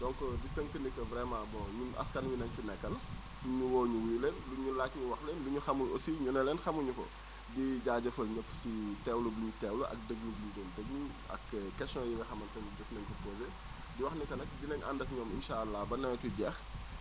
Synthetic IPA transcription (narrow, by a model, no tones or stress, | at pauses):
dɔŋkɔditəŋkənikːɔvɾɛmãːbɔːɲuɐ̰skɐnwinɐɲt͡ʃunɛkːɐl | uɲuwɔːɲuwiːlɛnluɲulaːtɲuwɐxlɛnluɲuxɐmulo̰siɲunɛlɛnxɐmuɲufɔ̰ | diɟaːɟɐfɐlɲɐpːsitɛwlubuɲutɛwluʔɐ̰k̚dəɡlubuɲudondəɡlu | ɐ̰kːkɛsɔjiŋɡɐxɐmɐntɐnd͡ʒufnɛŋkɔpoːze | diwɐxnɛkɐnɐk̚dinɐɲʔa̰ndɐfɲɔːmḭnʃaɐlːɐbɐnɛmɐtuɟɛːx